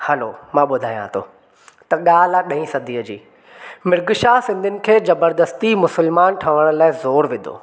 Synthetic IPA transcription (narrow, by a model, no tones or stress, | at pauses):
hɐlo̰mãːɓʊd̪ʱaːijã̰t̪ʰo̰ː | t̪ɐɠaːl̤aɗɐ̃ɦĩsɐd̪ʱiːəd͡ʑḭː | mɪɾɡʃasɪ̃nd̪ʱɪnɪ̆kʰeːzɐbəɾd̪əst̪imʊsəlmaːnʈʰɐʋəɽ̃laːɪzoːɾʋɪ̃nd̪ʱo̰ː